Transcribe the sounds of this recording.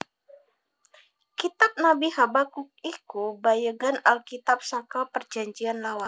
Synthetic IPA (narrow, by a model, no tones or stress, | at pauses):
kit̪ap̚nabihabakuk̚ikubajaɡanalkit̪ap̚sakalpərd͡ʒaɲd͡ʒianlawa